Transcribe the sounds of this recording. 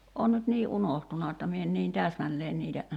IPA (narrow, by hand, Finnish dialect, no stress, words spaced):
on nyt niː ʔunohtunɑ etːɑ mie en niːn tæːsmælːeːn niːtæ